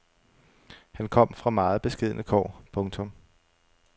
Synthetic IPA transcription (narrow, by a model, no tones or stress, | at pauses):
hænkʰɒ̽m̰fʁɑ̈mɑ̈ːð̞̩ˠb̥e̝sɡ̥eð̞̰ˠənʔəkʰɒ̰ːpʰɔ̽ŋt͡sʰɔ̽m